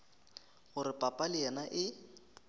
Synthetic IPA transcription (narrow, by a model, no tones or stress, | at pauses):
ɣʊɾɪpʼapʼalɪɛnaʔɪ